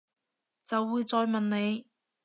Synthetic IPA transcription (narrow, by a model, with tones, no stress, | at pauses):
t͡sɐ˨wːuː˨˧jt͡sɔː˨˧jmɐ˨nne˨˧j